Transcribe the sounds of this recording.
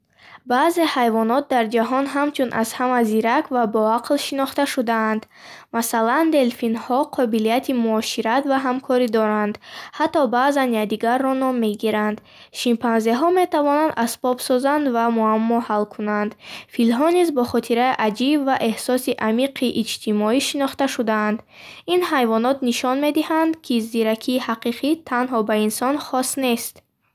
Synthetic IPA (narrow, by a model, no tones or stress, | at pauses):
baːze̞hajvɔnɔt̪̚d̪aɾd͡ʒaɦɔnɦamt͡ʃʰunʔa̰zhamaziɾakvabɔaqlʃinɔχt̪aʃud̪aːnd̪ | masaland̪e̞lfinhɔqʰɔbilijat̪ʰimuɔʃiɾat̪vaɦamkʰɔɾid̪ɔɾand̪hat̪ːɔbaːzanjad̪iɡarːɔnɔmːe̞ɡiɾand̪ | ʃimpʰanzeɦɔme̞t̪ʰavɔnand̪asbɔbsɔzand̪vamuamːɔhalkʰunand̪filmɦɔnizbɔχɔt̪ʰiɾaiʔad͡ʒibvaʔe̞hsɔsiʔamiqʰiʔːd͡ʒt̪ʰimɔiʃinɔχt̪aʃud̪aːnd̪ | inhajvɔnɔt̪niʃɔnme̞d̪ihand̪kʰiziɾakʰiːhaqiqʰit̪ʰanɦɔbainsɔnχɔst̪ne̞st̪